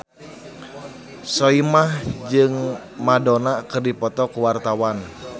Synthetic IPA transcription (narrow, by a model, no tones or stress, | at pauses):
sɔimahd͡ʒɨŋ | madɔnakɨrdipɔt̪ɔkuwart̪awan